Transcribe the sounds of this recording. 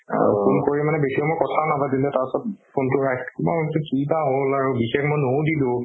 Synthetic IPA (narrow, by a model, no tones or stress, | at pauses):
a̰ɹṵkunkoɹimanɛbesiɔmoɹkɔtʰanabadilɛtaɹɔsɔt̚pʰontʊɹajskma̰tʊkibaɦolaɹubixexmojnowdilʊ̃